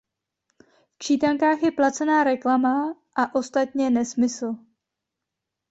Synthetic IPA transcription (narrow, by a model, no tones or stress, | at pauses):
ft͡ʃiːt̪aŋkaːxjɛplat͡sɛnaːɾɛklamaʔaʔo̞st̪at̪ɲɛnɛsmɪsl̩